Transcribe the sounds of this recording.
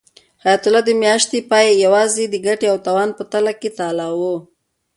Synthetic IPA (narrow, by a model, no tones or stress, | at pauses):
hajat̪ʊlɑd̪əmjɑʃt̪epɑjjawɑzed̪əɡaʈeawt̪awɑnpət̪alaket̪ɑlawo